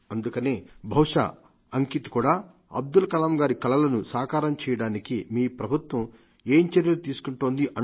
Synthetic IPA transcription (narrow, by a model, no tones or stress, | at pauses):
ɐnd̪ukɐneːbʱɐwʂɐ̰ | ɐŋkit̪i̥kuːɽaː | ɐ̰b̚d̪ulɐkɐlaːmɡaːɾikɐlɐlɐnusaːkaːɾɐmt͡ʃɛːjɐɽaːnikimiːpɾɐbʱut̪ʋɐm | eːɲt͡ʃeɾjɐlut̪iːsu̥kuɳʈoːnd̪iʔɐ